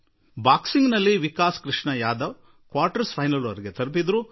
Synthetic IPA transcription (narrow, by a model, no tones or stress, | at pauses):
baːksiŋɡnɐlːiʋikaːskɾiʂɳɐjaːd̪ɐʋ | kʋaːɾʈɐɾspʰɐjnɐluɐɾɡet̪ɐɾp̬id̪ɾu